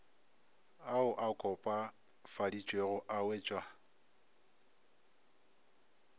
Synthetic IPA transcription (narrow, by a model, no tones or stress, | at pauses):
aʊʔakʼɔpʼa | fadit͡ʃʼweɣʊʔaweːt͡ʃʼwa